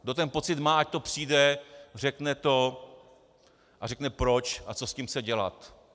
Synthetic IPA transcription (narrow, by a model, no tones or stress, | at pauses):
dot̪ɛnpo̞t͡sɪt̪maːac̚t̪o̞pr̝̥iːdɛrɛknɛt̪o̞ | ʔarɛknɛpɾo̞t͡ʃʔat͡so̞scimsɛɟɛla̰t̪